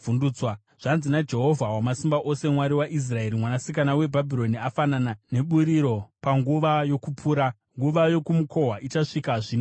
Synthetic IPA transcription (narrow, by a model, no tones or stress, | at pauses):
vunduːt͡swa | ʐ̥anzinad͡ʒe̞ɦo̞vʱawamasimbaʔo̞se̞mwaɾiwaʔis̬rae̞ɾimwanasikanawe̞bʱabʱiɾo̞niafananane̞ɓuɾiɾo̞paŋɡuʋajo̞kupʰuːɾa | ŋɡuʋajo̞kumukʰo̞ɦwaʔit͡ʃaʂikaʐiːno